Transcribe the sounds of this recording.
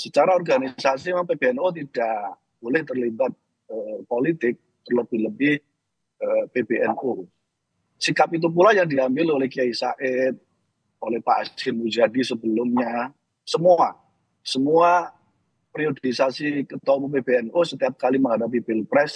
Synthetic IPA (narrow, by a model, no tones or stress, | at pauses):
sət͡ʃaɾaɔrɡanisasimaŋpeb̥eɛnot̪̬id̥aʔ | b̥olɛht̪ərlibat̪̚ | əpolit̪ɪk̚ | t̪ərləbɪhləbɪh | əpebeʔɛno | sikapit̪̬up̬ulajaŋdiambɪlolɛhkiaisaʔɛt̪̚ | olɛhpa̰ɛshɪnmud͡ʒadisəbəlʊmɲa | səmua | səmua | pɾiodisasikət̪ɔmupebeɛnʔosət̪iap̚kaliməŋɦadap̬ibɪlpɾɛs